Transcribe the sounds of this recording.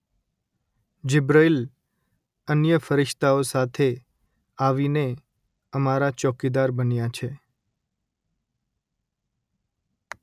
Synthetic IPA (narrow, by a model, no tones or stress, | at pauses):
d͡ʒɪbɾail | ənjəfəɾɪʃt̪aosat̪ʰe | aʋine | əmaɾat͡ʃɔkid̪aɾbənjat͡ʃʰe